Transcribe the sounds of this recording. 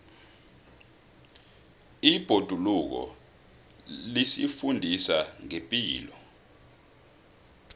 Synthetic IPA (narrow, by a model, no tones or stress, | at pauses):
ib̥ʱod̥ʱuluk̬ɔ̰ | lisḭfundʱisaŋempʼiːlɔ